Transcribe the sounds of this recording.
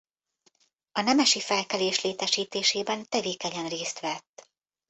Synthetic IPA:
ɒnɛmɛʃifɛlkɛleːʃleːt̪ɛʃiːt̪eːʃeːbɛnt̪ɛveːkɛɲɛnreːst̪ʋɛt̪ː

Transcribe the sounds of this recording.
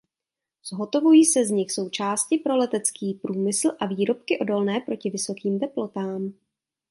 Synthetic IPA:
z̥ɦo̞t̪o̞vujiːsɛzɲɪxso̞wt͡ʃaːscɪpɾo̞lɛt̪ɛt͡skiːpɾuːmɪsl̩ʔaviːɾo̞p̚kɪʔo̞do̞lnɛːpɾo̞cɪvɪso̞kiːmt̪ɛplo̞t̪aːm

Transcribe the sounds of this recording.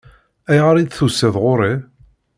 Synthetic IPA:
æjʁəɾˤid̪θusːəðʁʊɾˤi

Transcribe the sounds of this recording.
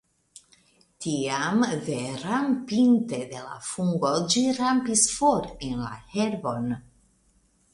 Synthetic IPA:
tiamveɾampinte̞d̪e̞la̰fuŋɡo̞d͡ʒiɾampisfoɾenla̰heɾbo̞n

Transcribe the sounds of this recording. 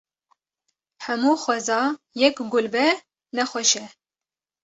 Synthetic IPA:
hɛmuːxwɛzɑː | jɛkɡʊlbɛ | nɛxʷɛʃɛ

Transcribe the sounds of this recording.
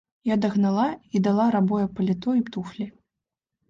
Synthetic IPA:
jad̪ɐɣnalˠaid̪alˠaɾabɔjɛpɐlʲit̪ɔipt̪uxlʲi

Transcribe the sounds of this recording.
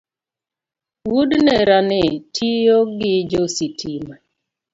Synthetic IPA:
wudnɛɾanɪtʰijoɡɪd͡ʒositʰima

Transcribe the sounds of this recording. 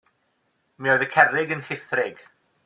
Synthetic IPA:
miɔjðəkʰɛrɪɡənhɪθrɪɡ̥

